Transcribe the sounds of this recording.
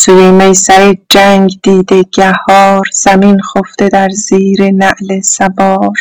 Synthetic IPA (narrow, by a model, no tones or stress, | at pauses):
sujemejsæɾed͡ʒæŋɡd̪iːd̪eɡ̥æhɒːɾz̥æminxoft̪ed̪æɾz̥iːɾenæʔlesæbɒːɾ